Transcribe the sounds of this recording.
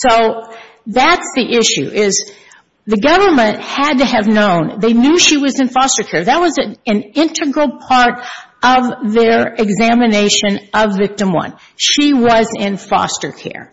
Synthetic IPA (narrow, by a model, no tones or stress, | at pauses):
soʊ | ðætsðiʔɪʃʉ̰ʔɪz̥ | ðɨɡʌvə˞mɨ̃nʔhɨd̚tɨːvnõʊ̃nðeɪnjʉʃiwʌzɨ̃nfɑstə˞kʰɛɹðɨt̚wʌzɨɨ̃nɪ̃ntʰɨɡɹl̩ˠpʰɑɹɾʔʌvðə˞ɨɡzæmɨneɪʃɨ̃nʔʌvɪk̚tɨ̃mwʌ̰̃n | ʃiwʌzɪ̃nfɔ̰stə̰˞kʰɛ̰ɹ